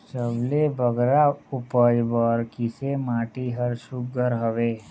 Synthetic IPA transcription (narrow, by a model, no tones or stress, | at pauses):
səblebʱəɡɾaʊpəjbɔːɾkɪsemaːʈiɦəɾʃʊk̚ɡʱəɾɦəʋeː